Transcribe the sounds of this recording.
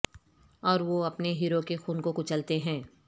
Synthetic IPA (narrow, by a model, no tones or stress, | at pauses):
ɔːɾʋoɐpneɦiːɾokexuːnkõkʊt͡ʃɐlt̪eɦɛ̃ː